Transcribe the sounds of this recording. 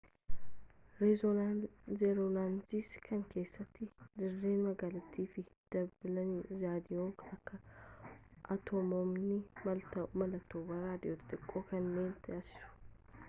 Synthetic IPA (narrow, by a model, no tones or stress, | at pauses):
ɾ | zɛɾolaːnsiskɐŋke̞ːsːɐt̪ːɪd̪ɪrːe̞ːnmɐɡaːlɐt̪ːiːfɪd̪̥ɐbɪlɐnɾaːd̪ɪjoːkɐkːɐ | ʔɐt̪ʰɔmɔmnɪmɐlt̪ɐmɐlɐt̪ːoːbɐɾaːd̪ɪʔoːt̪ɐ̥t̪ʼɪkʼːoːkɐnːe̞ːnt̪ɪaːsɪ̥sʊ̥